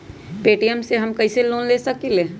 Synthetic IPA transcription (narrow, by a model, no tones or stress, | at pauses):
peːʈijəmseɦɐmkɐiseloːnleːsɐkileː